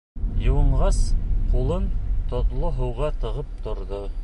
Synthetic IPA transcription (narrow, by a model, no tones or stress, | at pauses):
jɤ̆wɤ̆ɴʁɑsqulˠɤnt̪ŏt̪lˠoɦɤ̆wʁɑt̪ɤ̆ʁɤp̚t̪ŏɾðo